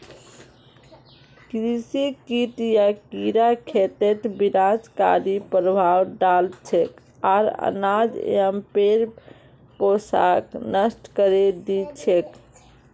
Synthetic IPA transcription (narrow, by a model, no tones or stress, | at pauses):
kɾisikiʈjakiɾakʰet̪et̪biɾad͡ʒka̰ɾipɾəbʱawɖalt͡ʃʰek | aɾə̰nad͡ʒ̰əmpeɾ | posa̰knəsʈkəɾed̪it͡ʃʰek